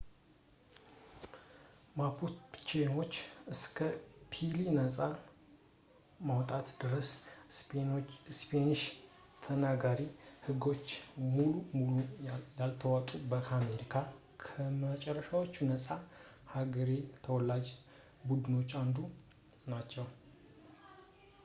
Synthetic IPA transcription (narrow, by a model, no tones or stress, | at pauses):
mapʰut̪t͡ʃeno̞t͡ʃːɨskʰəpʰilinəsʼa | mawt̪ʼat̪d̪ɨɾəs | spʰenɨʃ | t̪ʰənaɡaɾihɨɡo̞t͡ʃːmulumuluajalt̪ʰəwat̪ʼubəkʰame̞ɾikʰa | kʰəmət͡ʃʼɛrːəʃawot͡ʃːunəsʼa | haɡəɾe̞t̪ʰəwɔlad͡ʒ | bud̪ɨno̞t͡ʃːand̪u | nat͡ʃːɛw